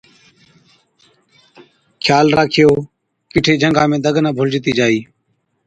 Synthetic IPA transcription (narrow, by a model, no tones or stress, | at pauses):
kʰjaːlɾaːkʰɪjoː | kɪʈʰeːd͡ʒʱəŋɡãːmẽːd̪əɡnaːbʱʊld͡ʒɪt̪iːd͡ʒaːiː